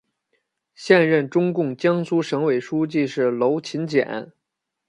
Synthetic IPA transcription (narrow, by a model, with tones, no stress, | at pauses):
ɕjɛ˥˧nɻə˥˩nʈ͡ʂʊ˥ŋkʊ˥˩ŋt͡ɕjɑ˥ŋsu˥ʂɤ˧˥ŋwe˨˩ɪʂu˥t͡ɕi˥˧ʂɻ̩˥˩lo˧˥ʊt͡ɕʰi˧˥nt͡ɕjɛ̰˨˩˦n